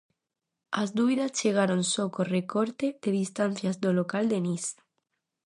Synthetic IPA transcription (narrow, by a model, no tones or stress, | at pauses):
azd̪uβiðasʝeɣ̞aɾonsokorekoɾt̪eðeðist̪an̟θjazd̪olokald̪enis